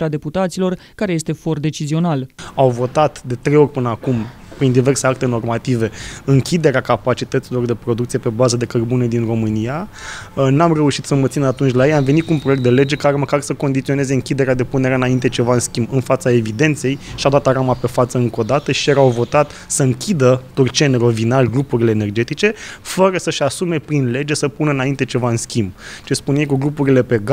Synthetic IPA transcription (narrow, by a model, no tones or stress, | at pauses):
ɾad̪e̞put̪at̪silo̞r | kaɾejest̪e̞fo̞rd̪e̞t͡ʃizio̞nalawvo̞t̪at̪d̪e̞t̪ɾe̞jo̞rʲpɨnəakum | pɾind̪ive̞rseak̚t̪e̞no̞rmat̪ive̞ɨŋkʲid̪e̞ɾeakapat͡ʃit̪ət̪silo̞rd̪e̞pɾo̞d̪ukt̪sije̞pe̞bazəd̪e̞kərbuned̪inro̞mɨnija | namre̞uʃit̪səmət̪sinat̪unt͡ʃʲlajejamve̞nit̪̚kunpɾojekt̪d̪e̞le̞d͡ʒe̞kaɾeməkarsəko̞nd̪it̪sio̞ne̞ze̞ɨŋkʲid̪e̞ɾead̪e̞pune̞ɾeaɨnaint̪e̞t͡ʃe̞vaɨnskʲimbɨnfat̪sae̞vid̪e̞nt̪se̞jʃiad̪at̪aɾamape̞fat̪səɨŋko̞d̪at̪əʃijeɾawvo̞t̪at̪ | səɨŋkʲid̪ət̪urt͡ʃenro̞vinalɡɾupuɾile̞ːne̞rd͡ʒe̞t̪it͡ʃe̞fəɾəsəʃasume̞pɾinle̞d͡ʒe̞səpunəɨnaint̪e̞t͡ʃe̞vaɨnskʲimb̚t͡ʃe̞spunjejkuɡɾupuɾile̞pe̞ɡ